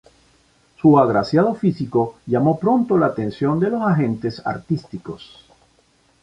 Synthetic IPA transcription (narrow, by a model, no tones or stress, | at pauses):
suaɣɾasjað̞o̞fisiko̞ʎamo̞pɾo̞nt̪olaːt̪e̞nsjo̞nd̪elo̞saxẽ̞nt̪e̞sa̰ɾt̪ist̪iko̞s